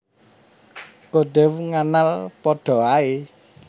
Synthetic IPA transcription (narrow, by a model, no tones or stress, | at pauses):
koɖɛwŋanalpɔɖ̥ɔ̤ae